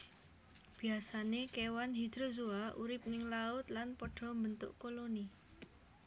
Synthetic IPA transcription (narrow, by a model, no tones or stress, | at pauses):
b̥i̤asanekewanɦid̪̥ɾozuauɾɪp̚nɪŋlaʊt̪lanpoɖ̥ɔ̤mbənt̪ʊ̰ʔkoloni